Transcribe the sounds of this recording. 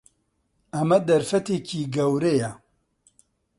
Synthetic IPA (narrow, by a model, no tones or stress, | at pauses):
ɐmɐd̪ɐɾfɐt̪eciːɡɐwɾejɛ